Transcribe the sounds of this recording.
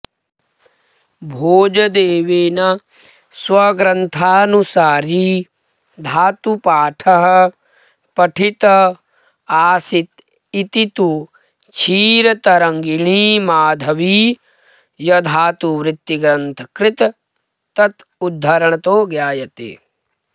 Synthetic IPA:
bʱoːd͡ʒɐd̪eːʋeːnɐ | swɐɡɾɐnt̪ʰaːnusaːɾi | d̪ʱaːt̪upaːʈʰɐɦɐ̆ | pɐʈʰit̪ɐ | aːsit̪ | it̪it̪u | t͡ʃʰiːɾɐt̪ɐɾɐŋɡiɳ̃iːmaːd̪ʱɐʋi | jɐd̪ʱaːt̪uʋɾɪt̪ːiɡɾɐnt̪ʰɐ̥kɾɪt̪ | t̪ɐt̪ | ud̪ʱːɐɾɐɳ̃ɐt̪oːɡjaːjɐt̪ḛ

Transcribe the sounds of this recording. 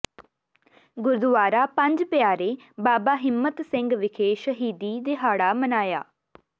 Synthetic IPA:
ɡʊɾd̪ʊʋaːɾaːpə̃ɲd͡ʒpɪjaːɾeː | baːbaːɦɪmːət̪sɪ̃ŋɡʋɪkʰeːʃəɦiːd̪iːd̪eːɦaːɽaːmənaːja̰ː

